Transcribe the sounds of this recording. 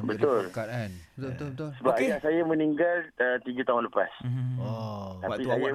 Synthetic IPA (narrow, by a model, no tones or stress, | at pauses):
bət̪ʊl | səbapajaʔsajamə̃niŋɡalət̪iɡut̪aɦʊnləpa̰s | t̪appisaja